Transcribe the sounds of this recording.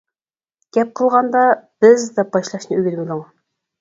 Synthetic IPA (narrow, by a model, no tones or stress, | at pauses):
ɡʲɛp̚qʰəlˠʁɑnd̪ɑb̥ɪzd̪ɛbɑʃlˠɑʃnɨyɡʲɪlmɪd̪ɨŋ